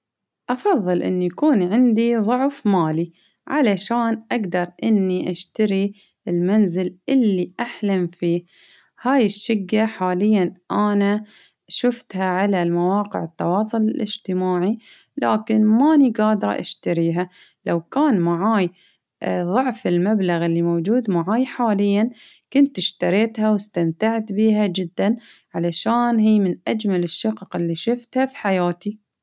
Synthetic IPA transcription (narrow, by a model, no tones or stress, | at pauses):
ʔɑfɑðˤːɨlʔɪ̰nːijakuːnʕɪnd̪iðˤʊʕfmaːli | ʕa̰laʃaːnʔaɡd̪ɑɾˤʔɪnːiʔaʃt̪aɾi | ɪlmanzɪlʔɪlːiʔaħlamfiː | haːjɪʃːɪɡːaħaːlɪjːanʔana | ʃʊft̪haʕalalmawɑːqɪ̰ʕɪt̪ːɑwɑːsˤʊlɪlʔɪd͡ʒt̪ɪmaːʕi | laːkɪnmaniɡaːd̪ɾˤɑ̰ʔa̰ʃt̪aɾiːɦa | lawkaːnmaʕaːj | ðˤʊʕfɪlmablaɣɪlːimowd͡ʒuːd̪maʕaːjħaːlɪjːan | kʊnt̪ɪʃt̪aɾeːt̪hawɪst̪amt̪aʕt̪biːɦad͡ʒɪd̪ːanʕalaʃaːnɦiːmɪnʔad͡ʒmalɪʃːɪqqɪlːiʃʊft̪hafi̥ħajaːt̪i